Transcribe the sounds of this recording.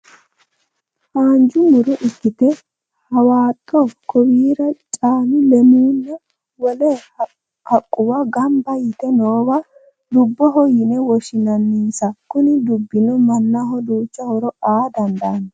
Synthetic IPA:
haːnd͡ʒʊmʊɾɔʔɪkːɪt̪ɛ | hɐwaːt̪ʼːɔkɔwiːɾɐt͡ʃʼaːmɪlɛmuːnːɛ | wɔlɛ | hɐkʼːʊwɐɡɐmbɐjɪt̪ɛnoːwɐ | d̪ʊbːɔɦɔjɪnɛwɔʃɪnɐnːiːsɐkʊnɪd̪ʊbːɪnɔmɐnːɐɦɔd̪uːt͡ʃːɐhɔɾɔaːd̪ɐnd̪aːnɐ

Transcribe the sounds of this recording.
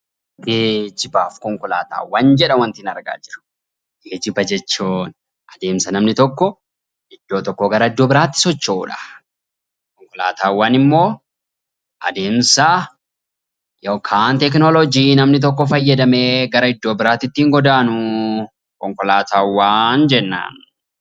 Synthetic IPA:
ɡed͡ʒɪbaːfkɔŋkɔla̰ːt̪a̰ːwːaːnd͡ʒɛᶑɐwɐnt̪ɪnɐɾɡa̰ːd͡ʒɪɾɐ̥ | ɡeːd͡ʒɪbɐd͡ʒɛt͡ʃːuːn | ʔɐd̪e̞ːmsɐnɐmnɪt̪ɔkːɔ | ɪd̪̥ːoːt̪ɔkːɔɡɐɾɐɪd̪ːoːbɪɾaːt̪ːɪ̥sɔt͡ʃːoːᶑɐ̥ | kɔŋkɔla̰ːt̪ʰaːwːaːnɪmːo̞ː | ʔɐ̰d̪e̞ːmsɐ | jɐwkʰaːnt̪ɛk̬nɔlɔd͡ʒiːnɐmnɪt̪̬ɔk̬ːɔfɐjːɐd̪ɐme̞ːɡɐɾɐɪd̪ːoːbɪɾaːt̪ɪt̪ːiːŋɡɔd̪aːnʊ | kɔŋkɔlaːt̪aːwːaːnd͡ʒɛnːa̰ːn

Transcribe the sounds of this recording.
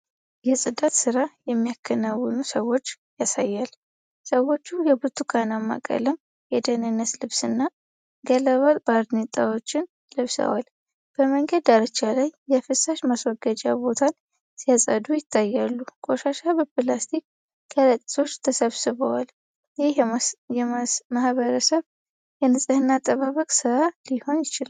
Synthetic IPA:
jɛsʼɨd̪at̪sɨɾajɛmːijakʰːənawːɨnusəwo̞t͡ʃː | jasajːal | səwo̞t͡ʃːujɛbɨt̪ʰukʰanamːa̰kʼə̰ləm | jɛd̪ənɨnːət̪lɨβsɨnːa | ɡələβat̪ʼb̥aɾd̪net̪ʼawot͡ʃːɪn | lɨβsə̰wal | b̥əməŋɡəd̪aɾət͡ʃːalajːɛfɨsaʃmaswɔɡəd͡ʒa̰bo̞t̪ʰan | sijasʼə̰d̪ujɪt̪ʰːajːalːukʼo̞ʃaʃabɨbɨlast̪ʰi | kʰələt̪ʼːi̥sʰo̞t͡ʃːt̪ʰəsəβsɨβəwal | jhjɛmahβəɾəsəβ | jɛnɨsʼɨhɨnːat̪ʼːəβaβəkʼsɨɾaliho̞njɪt͡ʃɪla

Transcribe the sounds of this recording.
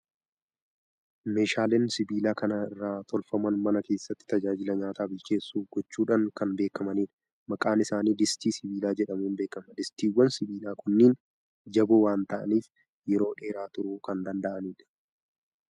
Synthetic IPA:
me̞ːʃaːleːnsɪbiːlaːkɐnɐɪrːaːt̪ɔlfɐmɐnmɐnɐke̞ːsːɐt̪ːɪ̥t̪ɐd͡ʒaːd͡ʒɪlɐɲaːt̪aːbɪlt͡ʃe̞ːsːuːfɡɔt͡ʃːuːᶑaːŋkɐnbe̞ːkɐmɐniːᶑ | mɐkʼaːnɪsaːniːd̪ɪst̪iːsɪbiːlaːd͡ʒɛᶑɐmuːnbe̞ːkɐmɐd̪ɪst̪iːwːɐnsɪbiːlaːkʊnːiːn | d͡ʒɐbuːwaːnt̪ɐʔɐ̰niːf | jɛɾo̞ːᶑe̞ːɾaːt̪ʊɾʊkɐnd̪ɐnd̪ɐʔɐniːᶑɐ̥

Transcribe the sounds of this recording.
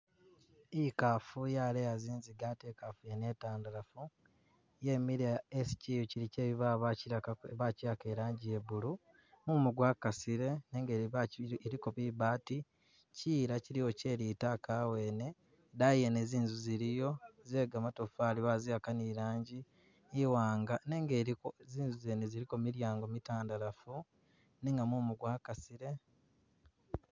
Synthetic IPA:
ikafujalejaziːnziɡatekafujene̞ːtaːndalafu | je̞miɾaesciuciɾice̞ːβiβaβaiβaciake̞ɾaːɲɟijeβulu | mumuɡwakasiɾe̞neːŋɡeeɾikoβiβaːti | ciːɾaciɾijo̞ce̞ːɾitakawe̞ːne̞ | dajeneziːnzuziɾijo̞zeɡamatofaːliβaziakaniːɾaːɲɟiː | waːŋɡane̞ːŋɡeioziːnzuzeːneziɾikomiɾjaːŋɡo̞mitaːndalafu | neŋɡamumuɡwaːkasiɾe̞

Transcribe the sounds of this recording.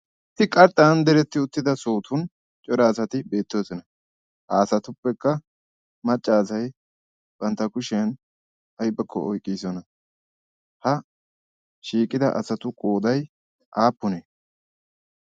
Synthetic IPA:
tːɪkʼɐɾt̪ʼːaːnd̪ɛɾɛt̪ːɪʊt̪ːɪd̪ɐsoːt̪ʰʊn | t͡ʃʼɔɾaːsɐt̪ɪbe̞ːt̪ːoːsɔnɐ | ʔaːsɐt̪ʊpːɛkːɐ | mɐt͡ʃʼːaːsɐj | b̥ɐnt̪ːɐkʊʃɛn | ɐjbɛkʰːɔ̰ɔjkʼːiːsɔnɐ | hɐ | ʃiːkʼɪd̪ɐ̰ʔɐsɐt̪ʊkʼoːd̪ɐj | ʔaːpːʊneː

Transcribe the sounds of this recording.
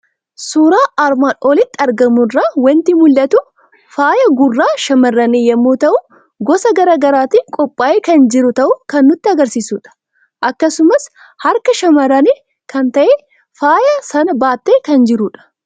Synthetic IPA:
suːɾaːʔaɾmaːnʔoːlɪt̪ːɪɐɾɡɐmʊrːaːwɐnt̪ɪmʊlːɐt̪u | faːjɐɡʊrːaːʃɐmɐrːɐneːjɐmːuːt̪ɐʔʊ | ɡɔsɐɡɐɾaːɡɐɾaːt̪iːkʼɔpʼːaːʔeːkɐnd͡ʒɪɾʊt̪ɐʔʊkɐnːʊt̪ːɪɐɡɐɾsiːsuːᶑɐ̥ | ʔɐkːɐsʊmɐs | hɐɾkɐʃɐmɐɾɐneː | kɐnt̪ɐʔeː | faːjɐsɐnɐbaːt̪ːeːkɐnd͡ʒɪɾuːᶑɐ̥

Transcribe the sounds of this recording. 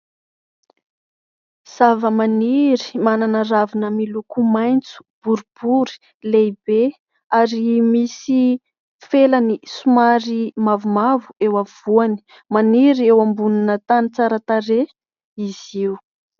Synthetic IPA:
z̥avəmaniɾi̥mananaɾavinəmilukumajnt͡su̥b̥uɾub̥uɾi̥ | lejbe | aɾimisi | felanisumaɾimavumavuewav̥uani̥ | maniɾiewambuninət̪anit͡saɾat̪aɾe | iziw

